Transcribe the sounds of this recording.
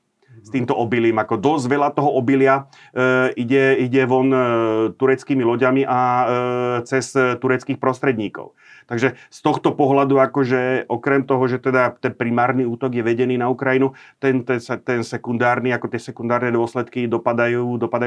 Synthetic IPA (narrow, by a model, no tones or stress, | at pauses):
st̪iːmt̪ɔɔbiliːmakɔd̪ɔzɟʋɛlat̪ɔɦɔɔbilɪa | ʔiɟɛiɟɛʋɔnt̪uɾɛt͡skiːmilɔɟamiʔa | t͡sɛst̪uɾɛt͡skiːxpɾɔst̪ɾɛd̪ɲiːkɔ̰ʊ | t̪aɡʒɛst̪ɔxt̪ɔpɔɦlad̪uakɔʒɛʔɔkɾɛmt̪ɔɦɔʒɛt̪ɛd̪at̪ɛnpɾimaːɾniuːt̪ɔɡjɛʋɛɟɛniːnaukɾajinu | t̪ɛnt̪ɛsɛt̪ɛnsɛkund̪aːɾniakɔt̪ɪɛsɛkund̪aːɾnɛd̪ʊɔslɛt̪kid̪ɔpad̪ajuuːd̪ɔpad̪aj